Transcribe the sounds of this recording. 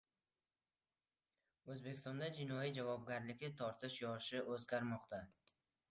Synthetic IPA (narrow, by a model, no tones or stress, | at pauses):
ɵzbekʲɪ̥st̪ɒnd̪ad͡ʒɪnɒjid͡ʒavɒb̚ɡʲaɾlɪkʲɪt̪ʰɒɾt̪ʰɪʃjɒʃɪʔɵzɡʲaɾmɒqt̪ʰa